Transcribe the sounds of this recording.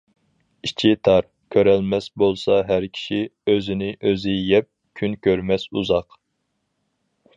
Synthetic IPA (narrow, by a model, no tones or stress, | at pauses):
it͡ʃʰit̪ʰɑɾ | kʲʰøɾɛlmɛsbolˠsɑɦæɾkʲʰi̥ʃiøzɪnɪʔøzɪjɛp̚ | kʲʰynkʲʰøɾmɛsuzɑq